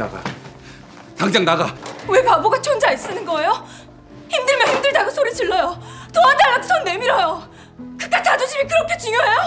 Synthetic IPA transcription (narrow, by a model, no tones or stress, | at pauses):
a̰ɡa̰ | kaŋd͡ʑaŋnaɡawe̞paboɡat͡ɕʰond͡ʑais͈ɯnɯnɡʌe̞jo | çimdɯɭmjʌnhʰimdɯɭdaɡɯsʰoɾit͡ɕɯɭːʌjotoɦantʰeaɭːakɯ̥sʰʌnːe̞miɾʌjo | kɯk͈atad͡ʑud͡ʑimikɯɾʌkʰe̞t͡ɕuŋjʌɦejo